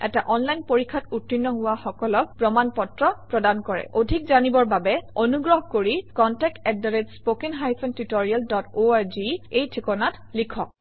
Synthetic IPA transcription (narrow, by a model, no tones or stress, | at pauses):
ɛ̰taʔɔnlajnpoɹikʰːatutɹinːɔɦʊwaxɔkɔlɔk̚pɹɔmanpɔtɹɔpɹɔdankɔɹɛ̰ʔodʱik̚zanibɔɹbabɛonuɡɹɔɦkoɹikɔntɛk̚tɛdaɹetspokinɦajpʰɔntutoɹialdɔtoaɹziejtʰikɔnatlikʰɔk̚